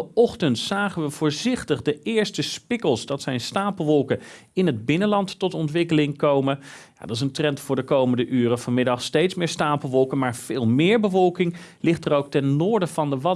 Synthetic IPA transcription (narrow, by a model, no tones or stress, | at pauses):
ɔχtəntsaːχənʋəvʊːɹzɪχtəχdəɪːɹstəspɪkəlˠsdɑtsɛjnstaːpəlˠʋɔlˠkə | ɪnɦəd̚bɪnənlɑntːɔtɔntʋɪkəlɪŋkowmənja̰dɑtɪs̬əntrɛntfʊːɹdəkowməndəʔyːrəvɑnmɪdɑχstejtsmɪːɹstaːpəl̩ˠʋɔlˠkənmaːɹv̥ɪːlˠmɪːɹbəvɔlˠkɪŋlɪχtərowk̚tɛnːʊːɹdəvɑndəʋɑ